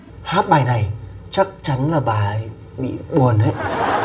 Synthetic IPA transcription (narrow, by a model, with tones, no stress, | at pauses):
haː˦˥t̚ɓaː˨˩jna˨˩jt͡ɕa˦˥k̚t͡ɕa˨˦nlaː˨˩ɓaː˨˩j | ɓḭ˧˨ɓu˨˩ənʔə˨˦j